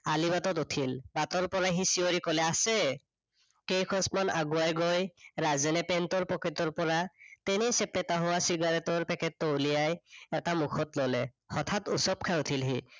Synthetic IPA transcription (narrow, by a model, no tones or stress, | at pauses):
alibatɔtutʰilbatɔɹpɔɹaɦisioɹikɔlɛasɛ | kejkʰɔsmanaɡuajɡojɹazɛnɛpɛntɔɹpɔkɹitɔɹpɔɹatɛnisɛpɛtaɦɔwasiɡaɹɛtɔɹpɛkʰɛtːowlijajɛtamukʰɔtlɔlɛ | hɔtʰatusɔp̚kʰautʰilɦi